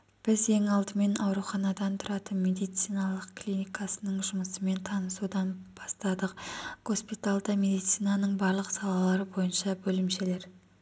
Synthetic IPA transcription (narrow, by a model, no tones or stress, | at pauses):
b̥ɪze̞ŋɑlˠd̪əme̞nɑwɾuχɑnɑd̪ɑnt̪ʰʊɾɑt̪ənme̞d̪ijt̪sijnɑlˠəqklʲinijkasənəɴʒʊməsəme̞nt̪ʰɑnəsud̪ɑnb̥ɑst̪ɑd̪əq̚ɡ̥o̞spit̪alˠd̪əme̞d̪ijt̪sijnɑnəɴbɑɾlˠəqsɑlˠɑlˠɑɾəbo̞jənʃɑbɵlɪmʃe̞le̞ɾ